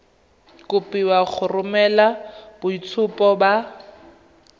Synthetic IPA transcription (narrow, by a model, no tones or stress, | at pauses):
kʊpiwak͡xʰʊrʊmɛlabʊit͡sʰʊpʼɔba